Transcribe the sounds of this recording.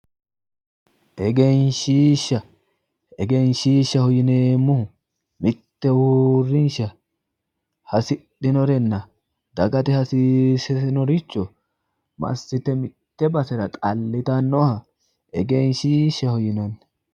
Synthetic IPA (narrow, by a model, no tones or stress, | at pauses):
ʔɛɡenʃiːʃːɐ | ɛɡɛnʃiːʃːɐhɔjɪnemːʊhʊ | mɪt̪ːɛwurːɪnʃɐ | hɐsɪɗɪnɔɾɛnːɐ | d̪ɐɡɐt̪ɛhɐsɪsɛsɪnɔɾɪt͡ʃːɔ | mɐ̰sːɪt̪ɛmɪt̪ːɛbɐsɛɾɐt̪ʼɐlːɪt̪ɐnːɔhɐ | ɛɡenʃiːʃːɐhɔjɪnɐn